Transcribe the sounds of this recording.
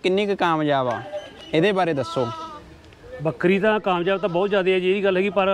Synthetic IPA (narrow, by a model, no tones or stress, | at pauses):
kɪnːĩːkkaːmd͡ʒaːʋa̰ː | ɪd̪eːbaːɾeːd̪əsːoː | bəkɾiːt̪ãːkaːmd͡ʒaːʋt̪ãːbɔːt̪d͡ʒjaːd̪eːɛːd͡ʒieːiːɡəlɦɛːɡiːpəɾ